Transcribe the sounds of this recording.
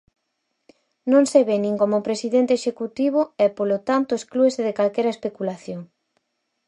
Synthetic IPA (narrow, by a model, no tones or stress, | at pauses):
nõŋseβenĩŋkomopɾesiðent̪eeʃekut̪iβoɛpolot̪ant̪ʊesklueseðekalkɛɾɐespekulaθjoŋ